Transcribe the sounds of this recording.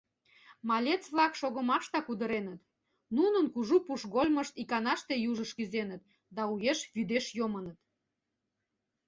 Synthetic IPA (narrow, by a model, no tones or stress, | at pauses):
mɑlʲet͡sβlɑkʃoɣəmɑʃt̪ɑkud̪əɾenət̪ | nunənkuʒupuʃɣolʲməʃt̪ikɑnɑʃt̪ejuʒəʃkyzenət̪ | d̪ɑujeʃβyd̪eʃjomənət̪